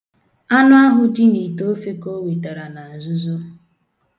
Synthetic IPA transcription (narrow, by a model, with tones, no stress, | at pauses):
a˦nʊ˦a˦ɦʊ˦dɪ˦ni˨to˦fe˦ko˦wi˨ta˨ɾa˨na˨a˨zʊ˦zo˦